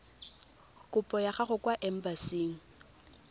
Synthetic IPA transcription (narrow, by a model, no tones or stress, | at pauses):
kʼʊpʼɔjaχaχʊkwaʔɛm̩basiːŋ̩